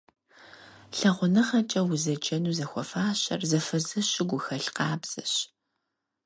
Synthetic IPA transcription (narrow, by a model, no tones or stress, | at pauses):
ɬɐʁʷʊnɨχɐt͡ʃʼɐwʊzɐd͡ʒɐnuːzɐxʷɔfaːɕɐ̰rzɐfɐzɨɕɪɡʷʊxɐɬqɑːbz̥ɨɕ